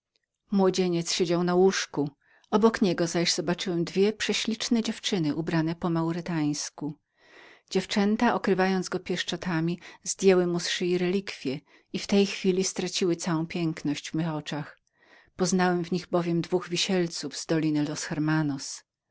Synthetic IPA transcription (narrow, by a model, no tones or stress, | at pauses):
mwɔd͡ʑeɲɛt̪sɕɛd͡ʑawnawuʂku | ɔbɔkɲɛɡɔzaʑz̥ɔbat͡ʂɘwɛmd̪vʲjɛpʂɛɕlʲit͡ʂnɛd͡ʑɛft͡ʂɘnɘʔubɾanɛpɔmawɾɪt̪aj̃sku | d͡ʑɛft͡ʂɛnt̪aʔɔkɾɘvajɔnd̪zɡɔpʲjɛʂt͡ʂɔt̪amʲizd̪ʲjɛwɘmusʂɘiɾɛlʲikfʲjɛ | ift̪ɛjxfʲilʲist̪ɾat͡ɕiwɘt̪sawɔ̃w̃pʲjɛŋknɔɕd͡ʑvmɘxɔt͡ʂax | pɔznawɛmvɲiɣbɔvʲjɛmd̪vuɣvʲiɕɛlt̪suvz̥d̪ɔlʲinɘlɔsxɛɾmanɔs